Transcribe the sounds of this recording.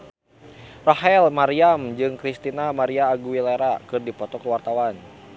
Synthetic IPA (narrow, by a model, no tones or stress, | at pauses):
raɦɛlmaɾiamd͡ʒɨŋkɾist̪inamaɾiaːɡuwileɾakɨrdipɔt̪ɔkəwart̪awan